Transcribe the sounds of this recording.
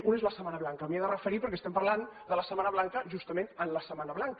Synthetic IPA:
unezləsəmanəβlaŋkəmieðərəfəɾipəɾkɛst̪ɛmpɐɾland̪ələsəmanəβlaŋkəʒust̪əmẽnt̪ənləsəmanəβlaŋk

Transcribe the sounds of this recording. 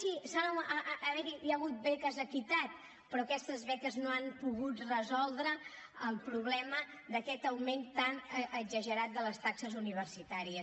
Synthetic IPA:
sisaːβɛɾijəɣut̪̚bɛkəzəkit̪at̪̚ | pɾɔkɛst̪əzβɛkəznoampuɣut̪rəzɔlˠd̪ɾə | əlˠpɾuβlɛmə | d̪əkɛt̪əwment̪anʔəɡzəʒəɾat̪̚d̪ələst̪aksəzuniβ̞ərsit̪aɾiəs

